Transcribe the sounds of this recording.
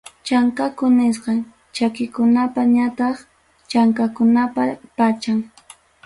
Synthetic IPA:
t͡ʃaŋkakʊnɪs̬qɑ | t͡ʃakɪkʊnapaɲat̪ɑχ | t͡ʃaŋkakʊnapapat͡ʃaŋ

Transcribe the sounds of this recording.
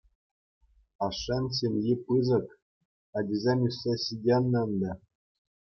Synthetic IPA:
ɑʂːɑns̬ʲemʲjipɯzɤ̆k | ɑdʲizʲemʲysʲːeɕidʲenːɤ̆nd̪ɑ

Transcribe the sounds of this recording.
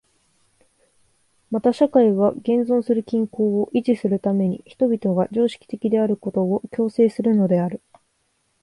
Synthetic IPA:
mat̪aɕakaiβ̞aɡẽ̞nzõ̞ɰ̃sɨɾɯ̟kʲĩŋko̞ːoʔiʑisɨɾɯ̟t̪ame̞ɲ̟ḭçi̥t̪obʲit̪o̞ɡad͡ʑo̞ːɕi̥kʲi̥t̪e̞kʲid̪e̞aɾɯ̟ko̞t̪o̞ːkʲo̞ːse̞ːsɨɾɯ̟no̞d̪e̞aɾɯ̟

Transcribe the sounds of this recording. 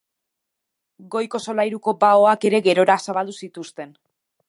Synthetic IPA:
ɡo̞jko̞so̞lajɾuko̞baoake̞ɾe̞ɣe̞ɾo̞ɾasaβald̪usit̪ust̪e̞n

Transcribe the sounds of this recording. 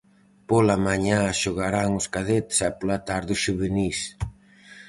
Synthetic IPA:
polamaɲaʃoɣaɾaŋʊskaðet̪sɛpolat̪aɾðʊʃuβenis

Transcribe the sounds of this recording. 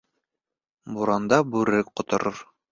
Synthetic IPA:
buɾɑnd̪ɑbʉɾɘk̚qŏt̪ŏɾoɾ

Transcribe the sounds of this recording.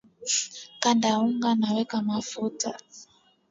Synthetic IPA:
kandauŋɡanawɛkamafuta

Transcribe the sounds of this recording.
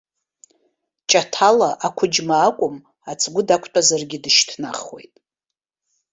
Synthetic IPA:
t͡ʃʼatʰalaʔakʷʰʊd͡ʒmaːkʷʼʊm | at͡sʰʼɡʷʊdakʷʰtʷʼazarɡʲɪdɨʃtʰna̰χwe̞̰jtʼ

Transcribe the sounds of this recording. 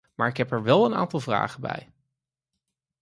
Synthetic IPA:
maːɹɪkɦɛpɛɹʋɛlˠəna̰ːntɑlˠvra̰ːχəbɛ̰j

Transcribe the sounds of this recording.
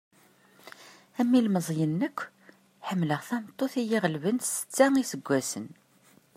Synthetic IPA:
æmːilməzˤjənːəkʷː | ħəmːləʁθæmət̪ˤːoθijiʁəlvənsə̥t͡sːæŋisəɡʷːæsə̰n

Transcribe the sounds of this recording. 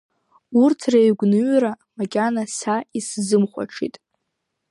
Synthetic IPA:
urtʰrejɥɡʷnɨɥɾa | makʲʼanasaiszɨmχʷa̰ʈ͡ʂʰḭtʼ

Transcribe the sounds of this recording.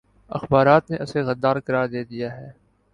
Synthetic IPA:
ɐ̰xbaːɾaːt̪neʔʊseɣɐd̪ːaːɾkɐɾaːɾd̪eːd̪ijaɦɛː

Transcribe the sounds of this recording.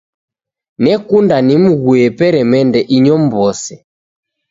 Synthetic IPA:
nɛkundanim̩ɣuɛpɛɾɛmɛndɛʔiɲɔm̩bɔsɛ

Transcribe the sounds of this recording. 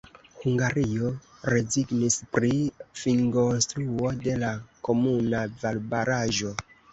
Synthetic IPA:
huŋɡaɾio̞ɾe̞ziɡnispɾifiŋɡo̞nst̪ɾuo̞de̞lako̞munavalbaɾaʒo̞

